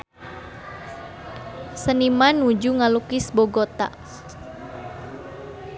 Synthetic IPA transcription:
sənimanud͡ʒuŋalukɪsboɡot̪a̰

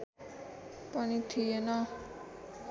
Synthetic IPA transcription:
pʌnit̪ʰijenʌ

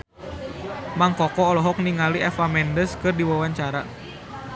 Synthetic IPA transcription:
maŋkɔkɔːlɔɦɔk̚niŋaliʔɛfamɛndəskɨrdiwawaɲt͡ʃaɾa

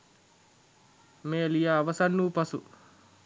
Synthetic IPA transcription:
meːlijaːʋɐsanːuːpɐsu

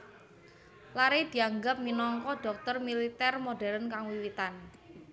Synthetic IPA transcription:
laɾed̪̥i̤aŋɡap̚minɔŋkɔɖ̥ɔ̤k̚t̪ərmilit̪ɛrmoɖɛ̤ɾənkaŋwiwit̪an

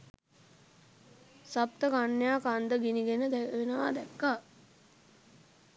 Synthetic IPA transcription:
sap̚t̪əkanːjaːkand̪əɡiniɡenəd̪ɛkəʋenəʋa̰ːd̪ɛkːa

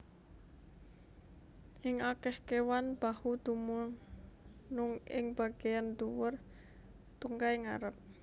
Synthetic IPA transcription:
ʔɪŋakɛhkewanb̥ahud̪̥umʊ | nʊŋɪ̰ŋb̥a̤ɡ̥ejand̪uwʊr | t̪uŋkajŋa̰ɾəp̚

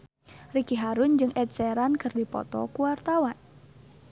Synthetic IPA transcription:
rikiɦaɾʊnd͡ʒɨŋʔɛt̪̚sɛɾankɨrdipɔ̰t̪ɔ̰kuwart̪awan

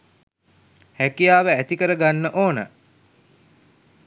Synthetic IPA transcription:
hækijaːʋəæt̪ikəɾəɡanːəʔoːnə̰

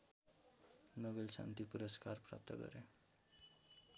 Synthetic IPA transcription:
nʌbelsa̰nt̪ipuɾʌskarpra̰p̚t̪ʌɡʌ̰ɾe

